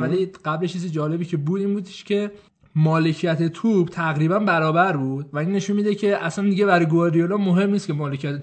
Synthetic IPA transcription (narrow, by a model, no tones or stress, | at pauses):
æliɢ̥æbleʃisid͡ʒɒːle̞biːcʰe̞buːd̪iːnbuːd̪e̥ʃcʰe̞ | mɒːle̞cʰijæt̪ʰet̪ʰub̥t̪ʰæɣɾiːbænbæɾɒːbæɾbuːd̪̥væinːe̞ʃunmiːd̪ecʰe̞ʔæsænd̪iɟeβæɾɒjɡoɒːɾijelɒmoɦe̞mnist̪kʲcʰemɒːlecʰijæt̪ʰe